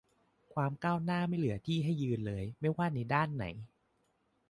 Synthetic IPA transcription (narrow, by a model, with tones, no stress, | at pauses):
kʰwaː˧mkaː˥˩wnaː˥˩ma˥˩jlɯ˨˩˦ɐt̪ʰiː˥˩ɦa˥˩jːɯː˧nlɤː˧jma˥˩jwaː˥˩na˧jdaː˥˩nːa̰˩˦j